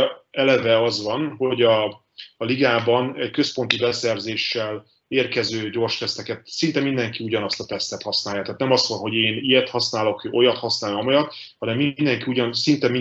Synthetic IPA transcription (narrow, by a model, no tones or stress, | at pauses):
ɛlɛvɛɒzʋɒnho̞ɟɒː | liɡaːbɒnɛɟkø̞spo̞nt̪ibɛsɛrzeːʃːɛl | eːrkɛzøːɟo̞ːrʃt̪ɛst̪ɛkɛt̪sint̪ɛmind̪ɛŋkiuɟɒnɒst̪ɒt̪ɛst̪ɛt̪hɒsnaːjat̪aːt̪nɛmɒsɒnɦo̞ɟeːnijɛt̪hɒsnaːlo̞kʔo̞jɒt̪hɒsnaːlɒmojɒt̪ | hɒnɛmːind̪ɛŋkiuɟɒnsint̪ɛmi